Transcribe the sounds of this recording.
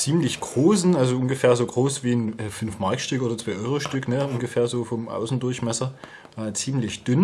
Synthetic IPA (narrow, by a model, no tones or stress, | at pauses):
t͡siːmlɪçɡ̥ʁ̥oːsn̩ʔalzoʔʊnɡəfeːɐzoːɡʁoːsv̥iːnʔɛːfʏnfmaɐkʃtʏkʔoːdɐt͡sv̥aɪʔɔʏʁoʃtʏknəʔʊnɡəfeːɐzoːfɔmʔa̰ʊsn̩dʊɐçmɛsɐ | ʔɛːt͡siːmlɪçd̥ʏn